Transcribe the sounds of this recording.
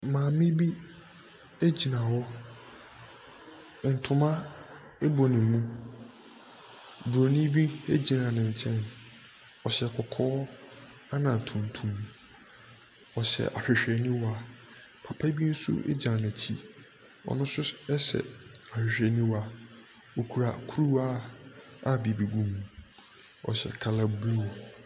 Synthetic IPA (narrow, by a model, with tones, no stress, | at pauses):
mãː˨mɪ̃˦bi˦ | e˦d͡ʑi˨nã˨wɔ˦ | n̩˨tʰʊ̃˨mã˦ | e˦bo˨nɪ̃˨mũ˦ | bu˨ɾo˨nĩ˦bĩ˦e˦d͡ʑi˨nã˨nɪ̃˨ɲ̩˨t͡ɕʰɛ̃˦n | ɔ˨ɕɛ˨kʰɔ˨kʰɔː˦ | a˦nã˨tʰũ˨tʰũ˨m | ɔ˨ɕɛ̰˨ʔa˨ɕᶣɪ˨ɕᶣɾɛ˨nĩ˦wa˦ | pʰa˨pʰa˦bi˦n̩˦sṵ˦ʔḛ˦d͡ʑã˨nã˨t͡ɕʰḭ˦ | ɔ̰˨nʊ̃˦sʊ˦ɛ˦sɛ̰˨a˨ɕᶣɪ˨ɕᶣɾɛ˨nĩ˦wa˦ | o˨kʰu˨ɾa˨kʰu˦ɾu˦a˦a˦bi˨bi˨ɡũ˦m̃˨ | ɔ̰˨ɕɛ̰˨kʰa˨la˨blu˦˨